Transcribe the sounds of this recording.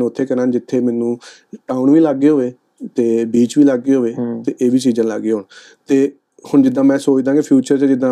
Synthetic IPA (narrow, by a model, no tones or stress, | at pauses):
ʊt̪ʰːeːkənãːnd͡ʒɪt̪ʰːeːmɛːnũː | ʈaːʊɳʋiːlaɡːeːɦoːʋeː | t̪eːbiːt͡ʃʋiːlaɡːeːɦoːʋeːt̪eːʔeːʋiːt͡ʃiːzãːla̰ːɡːeːɦoːɳ | t̪eː | hʊɳd͡ʒɪd̪ãːmɛ̃ːsoːt͡ʃd̪ãːɡeːpʰjuːt͡ʃəɾt͡ʃad͡ʒɪd̪ãː